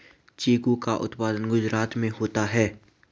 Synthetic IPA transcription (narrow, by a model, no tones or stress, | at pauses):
t͡ʃiːkukaʔʊ̰t̪paːd̪ənɡʊd͡ʒɾaːt̪mẽɦoːt̪aɦɛː